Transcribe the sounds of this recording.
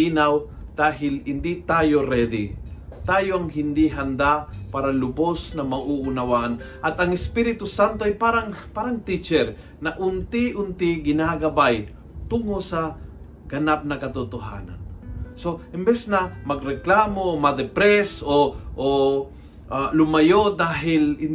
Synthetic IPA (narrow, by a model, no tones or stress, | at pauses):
inaw | d̪̥aːɦɪlhɪnd̪it̪aːjo̞ɾɛd̪ɪ | t̪aːjoɐŋɦɪnd̪iɦɐnd̪apaːɾɐlʊbosnɐmɐʔuʔʊnawanʔɐt̪ɐŋɪspiɾɪt̪ʊsant̪oʔɐjpaːɾaŋpaːɾɐŋt̪it͡ʃɛɾ | nɐʔʊnt̪ɪʔʊnt̪ɪɡɪnaɡɐbaj | t̪ʊŋosɐ | ɡ̥ɐnap̚nɐkɐt̪ʊt̪oɦa̰ːnɐ̰nso̞ʔɪmbɛsnɐmɐɡɾɛklaːmoomɐd̪ɛpɾɛsoʔo | ʔalʊmɐjod̪aːɦɪlɪ